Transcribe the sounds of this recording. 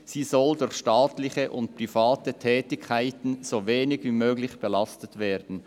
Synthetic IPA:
z̥iːzɔldʊɾçʃtaːtlɪçəʔʊntpʁifaːtətʰɛːtɪkʰːaɪtn̩z̥oːveːnɪɡviːmøːɡlɪçb̥əlɑstətv̥eːɐdn̩

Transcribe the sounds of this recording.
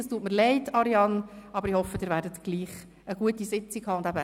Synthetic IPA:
ɑstuːtməɾlɛɪtɑɾiɑnɑbəɾihɔfəd̥ɪːɾvʋæːɾdətɡ̥liːχ | əɡ̥uətisɪt͡sikʰɑːʊndæbə

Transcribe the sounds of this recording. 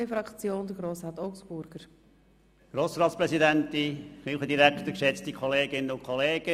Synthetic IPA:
əfɾɑkt͡sjoːnd̥̪əɡɾoːsɾɑːt̪ɔʊksb̥ʊɾɡ̥əɾ | ɡ̥ɾoːsɾɑːt̪spɾɛsidæntːiχiːlχədiɾæktəkʃɛt͡stikʰχɔleːɡɪnːəʊnkʰχɔleːɡ̥ə

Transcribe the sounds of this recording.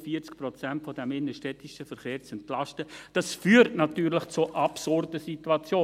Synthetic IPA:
fiəɾt͡skprɔt͡sæntfɔdɛmɪnəʃtɛtiʃəfɛɾχeːɾt͡sɛntlɑstəd̥ɑsfyːəɾtnɑtyːɾlɪχt͡suʔɑpsʊɾdəsituɑt͡sjoː

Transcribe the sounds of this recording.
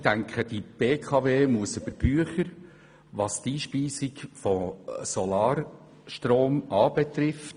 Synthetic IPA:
tæŋkʰχəd̥ib̥eːkʰɑveːmuəsøb̥əɾb̥yəχəɾ | ʋɑst̪iːʃpiːsikfɔsɔlɑːɾ | ʃtroːmɑːbɛt̪ɾɪft

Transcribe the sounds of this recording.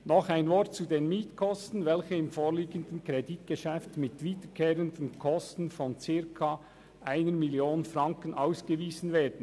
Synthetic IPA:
nɔχaɪnvɔɾtt͡sudeːnmiːtkʰɔstn̩vɛlçəɪmfoːɾliːɡəndən̩kɾɛdit̚ɡ̥əʃɛftmɪtviːdəkʰeːɾəndən̩kʰɔstn̩fɔnt͡sɪɐkʰa | ʔaɪnəɾmɪljoːnənfɾɑŋkənʔaʊsɡ̥əviːzn̩veːd̥ən̩

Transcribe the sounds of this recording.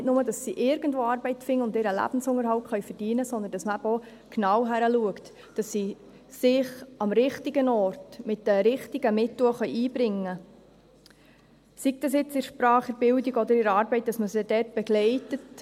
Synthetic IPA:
nɪtnʊmədɑsːiʔɪɾɡ̥ən̩dvoːɑːɾbɛɪtfɪŋːəʊndɪɾəlæ̰b̥n̩sʊŋəɾhɑwtχœɥfərd̥iənəsɔnd̪ənd̥ɑsməæbɔ | knɑwɦæɾəluəkt | d̥ɑsːi | sɪχɑmɾɪχtiɡənɔːrtmɪtd̥əɾɪχtiɡəmɪtwəχœʏjiːbɾɪŋːə | sik̚d̥ɑsjɪt͡sɪɾʃpɾɑːχəɾb̥ɪldiɡɔd̪əɾɪɾɑːɾbɛɪt̚d̥ɑsməsɪd̥ɛrt̚b̥ɛɡlɛɪtət

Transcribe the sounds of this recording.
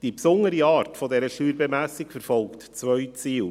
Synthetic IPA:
d̥ipsʊnːəɾiɑːɾtfɔdɛɾəʃyːɾbɛmæsikfɛɾfɔlˠktt͡sʋœʏt͡siːl

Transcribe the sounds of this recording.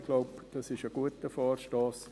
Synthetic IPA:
ɡ̥loʊpd̥ɑsɪʃəɡ̥uətəfɔːrʃtoːs

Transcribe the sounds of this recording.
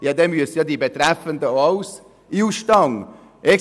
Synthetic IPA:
jɑd̪ɛmyəsəjɑd̪ibet̪ræfənd̪əɑʊs | iuʃtɑŋ | ʔɛ

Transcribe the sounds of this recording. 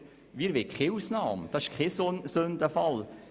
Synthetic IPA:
ʋiːɾʋekʰχeusnɑːmd̥̪ɑsɪ̥ʃkχɛssɵnd̪əfɑl

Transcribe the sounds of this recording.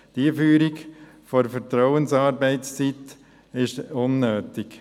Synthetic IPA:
d̥iəfyːɾik | fɔɾfəɾt̪ɾɔʊənsɑːɾbɛɪtst͡sit̪ | ɪʃʊnːøːtɪk

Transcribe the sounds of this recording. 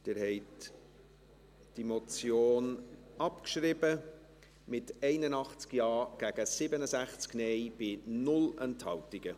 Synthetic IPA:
d̥ɪɾhɛɪt | d̥imot͡sjoːnɑpkʃrɪbə | mɪtɛɪnənɑχt͡skjɑːɡ̥æɡəsɪbənəzæχt͡sknɛjb̥ɪnʊlɛnthɑltɪɡ̥ə

